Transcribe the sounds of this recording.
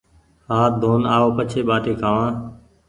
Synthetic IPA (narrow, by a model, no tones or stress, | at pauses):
haːd̪ʱoːnaːoːpət͡ʃʰeːɓaːʈʰeːkʰaːʋãː